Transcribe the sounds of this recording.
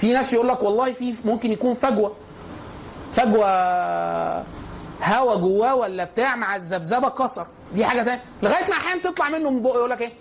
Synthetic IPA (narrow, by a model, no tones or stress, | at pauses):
finæːsjeʔuːlːækwɑlˤːɑːhifiːmomkenjækuːnfæɡwæ | fæɡwæ | hæwæɡowːæːwælːæbet̪aːʕmaʕazːæbzæbækɑsˤɑɾˤ | d̪iːħaːɡæt̪æːnjæleɣæːjet̪maʕaħaænt̪et̪ˤlɑʕmenːomboʔjʔuːlːækʔeː